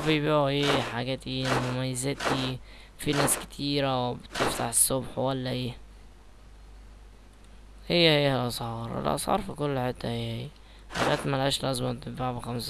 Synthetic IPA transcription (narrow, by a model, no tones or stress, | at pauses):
bijbiːʕuʔeːħaɡæːt̪inmʊmajːɪzɪt̪i | finæːskɪ̥t̪ʰiːɾawbt̪ɪft̪a̰ħɪsːʊbħwalːaʔeː | hɪjːhijːalʔɑsˤhɑːɾˤɪ̰lʔɑ̰sˤhɑ̰ːɾˤfikʊlːħet̪ːahɪjːhiː | ħa̰ɡæːt̪malæːʃlʔɑzmat̪ɪbaʕbxams